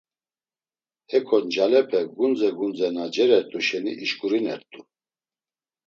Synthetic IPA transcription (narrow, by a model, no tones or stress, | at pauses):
ɛkʰɔnd͡ʒalɛpʰɛɡund͡zɛɡund͡zɛnad͡ʒɛɾɛɾt̪ʼuʃɛnḭʔiʃkʼuɾinɛ̰ɾt̪ʼu